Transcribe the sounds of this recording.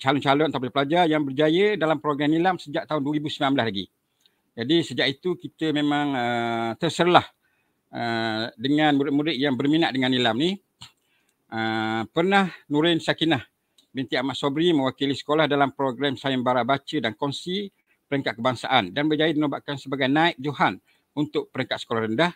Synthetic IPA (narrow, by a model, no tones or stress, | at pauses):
t͡ʃalɔnt͡ʃalʊnt̪ap̬dəplad͡ʒarjaŋbərd͡ʒajədalampɾoɡɾɛmilamsəd͡ʒaʔ̚t̪aʊndwəɾibusəmbilamblaslaɡḭ | d͡ʒadisəd͡ʒaʔit̪ukit̪əmemãŋət̪ərsəɾlah | ədəŋãnmuɾɪʔ̚muɾɪʔ̪̚jaŋbərminaʔdəŋanilamni | əpərnahnuɾɪnsakinah | bint̪iamaʔsobɾimə̃wakilisə̥kolahdalampɾoɡɾamsaɪmbaɾabat͡ʃədankɔnsi | pəɾəŋkat̪̚kəbaŋsaʔandanbəd͡ʒajimənobaʔkansəbaɡajnaɪʔ̪̚d͡ʒoɦan | unt̪ʊk̚pəɾəŋkat̪sə̥kolahrəndah